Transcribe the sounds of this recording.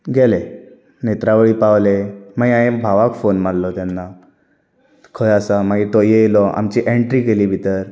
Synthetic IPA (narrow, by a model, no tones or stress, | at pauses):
ɡɛle | net̪ɾaʋəɭiːpaʋlemajaẽbʱaʋakfonmaɽlɔt̪anːa | kʰəjasamaɡit̪ɔjejelɔʔa̰mt͡ɕiʔeɳʈɾiːkeliːbʱit̪əɾ